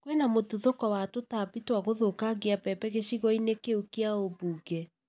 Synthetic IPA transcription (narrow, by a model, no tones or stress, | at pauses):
kwɛnamotuðokɔwatotapitwaɣoðokaɡeapɛpɛɣeɕiɣɔinekeukeaobuːɡɛ